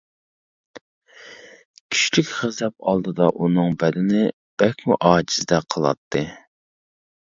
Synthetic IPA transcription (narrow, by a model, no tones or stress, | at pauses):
kʲʰy̥ʃlykʲχɪzɛp̚ɑ̰lˠd̪ɨd̪ɑʔunɨŋbɛd̪ɪnɪ | b̥ɛkʲmuʔɑːd͡ʒizd̪ɛqʰəlˠɑ̰t̪ʰːɨ